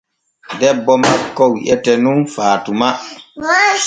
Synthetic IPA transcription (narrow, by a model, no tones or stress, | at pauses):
dɛbːɔmakːɔwiʔɛtɛnunfaːtuma